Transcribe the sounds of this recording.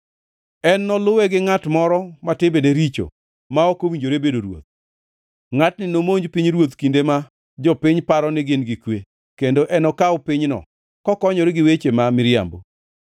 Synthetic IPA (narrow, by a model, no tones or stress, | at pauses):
ɛnːɔlʊwɛɡɪŋatmɔɾɔmatɪbedeɾit͡ʃo̰ | maɔkowiɲd͡ʒoɾebedoɾwo̰t̪̚ | ŋatnɪnomoɲd͡ʒpiɲɾwot̪kindema | d͡ʒɔpɪɲpaɾɔnɪɡɪnɡɪkwe | kendoʔɛnɔkaʊpɪɲnɔ̰ | kɔkɔɲɔɾɪɡɪwet͡ʃemamɪɾɪja̰mbo̰